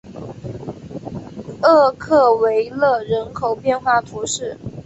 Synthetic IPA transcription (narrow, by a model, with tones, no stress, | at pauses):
ɤ˥˧kʰɤ˥˩we˧˥ɪlɤ˥˩ɻə˧˥nkʰo˨˩ʊpjɛ˥˧nxwa˥˩t̪ʰu˧˥ʂɻ̩˥˩